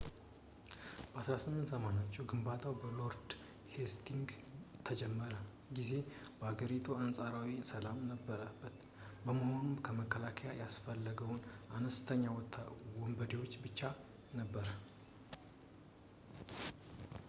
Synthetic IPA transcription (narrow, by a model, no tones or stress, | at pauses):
b̥əasɾasɨmːɨnt̪zəmanat͡ʃːuɡɨmbat̪ʰawbəlo̞ɾd̪ | hest̪ʰiŋɡ | t̪ʰəd͡ʒɛmːəɾə | ɡize̞b̥əhaɡəɾit̪ʰuansʼaɾawisəlamnəbːəɾabːət̪ | bəməho̞numkʰəməkʰːəlakʰəjajasfəlːəɡəwunʔanəst̪ʰəɲːawwɔmbəd̪ewo̞t͡ʃːbɨt͡ʃːa | nəbːəɾ